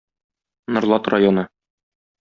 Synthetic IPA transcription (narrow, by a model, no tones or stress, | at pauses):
nŏɾlˠɑt̪rajonɤ